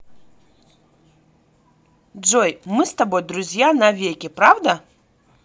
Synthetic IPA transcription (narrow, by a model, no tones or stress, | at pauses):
d͡ʐɔjmɨst̪ɐbojd̪ɾuzʲjanɐvʲekʲɪpɾavd̪ɐ